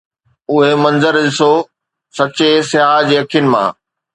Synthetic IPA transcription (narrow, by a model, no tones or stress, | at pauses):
ʊɦemɐ̃nzəɾɗɪso | sɐt͡ɕesɪɦaːd͡ʑeːɐkʰijʊnɪ̆mã̰ː